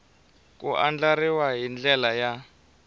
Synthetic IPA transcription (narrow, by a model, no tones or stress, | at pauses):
kṵʔand͡ɮaɾiwaɦind͡ɮɛlaja